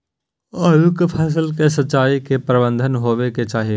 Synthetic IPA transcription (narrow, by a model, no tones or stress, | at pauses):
ɐjʊkpʰɛːs̬əlkesɐt͡ʃaːikepɾəbə̃nd̪ʱənɦoːʋeket͡ʃaːɦie